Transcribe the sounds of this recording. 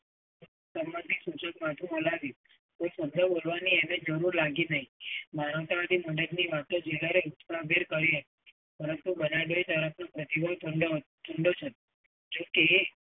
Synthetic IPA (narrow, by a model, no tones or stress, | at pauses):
səmːãnt̪ʰisut͡ʃəkmat̪ʰũəlaʋju | koisənd̪ʱəbolʋaniened͡ʒəɾuɾlaɡinəɦĩmaɾəʋt̪aad̪iməɳɖəɾniʋat̪õd͡ʒeləɾeut̪saɦbʱeɾkəɾiɦət̪i̥ | pəɾənt̪ubənaɖoit̪əɾəfʰnopɾət̪ibʱət̪ʰəɖt̪ʰuɳɖot͡ʃʰe | d͡ʒoke